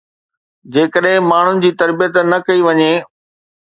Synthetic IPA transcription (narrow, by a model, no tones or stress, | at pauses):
d͡ʑeːkəɗɦɪ̃maːɳ̤ʊnɪ̆d͡ʑiːt̪ɐɾbijət̪nɐkɐiʋɐɲeː